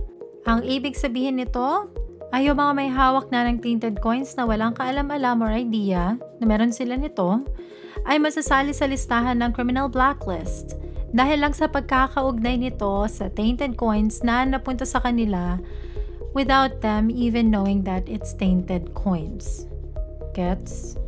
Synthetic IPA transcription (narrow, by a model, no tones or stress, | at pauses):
ʔɐŋʔiːbɪɡ̚sɐbiːhɪnːɪt̪o̞ʔɐjomɐŋamɐjɦaːwɐk̚nɐnɐŋt̪ent̪ɛd̪̚ko̞jnsnɐwɐlaŋkɐʔɐlamɐlamoɹɐjd̪iːɐnɐmɛːɾo̞nsɪlanɪt̪o̞ | ʔɐjmɐsɐsaːlɪsɐlɪst̪aːɦɐnːɐŋkɾɪmɪnɐlblaklɪst̪d̪aːɦɪlːɐŋsɐpɐɡ̚kakɐʔʊɡ̚nɐjnɪt̪o̞sɐt̪ẽjnt̪ɛd̪̚ko̞jnsnɐnɐpʊnt̪ɐsɐkɐnɪla | wɪðawt̪̚d̪ɛ̃miːvɛnːowɪŋd̪ɐt̪ɪt̪st̪ẽjnt̪ɛd̪̚kʰojns | ɡ̥ɛt̪s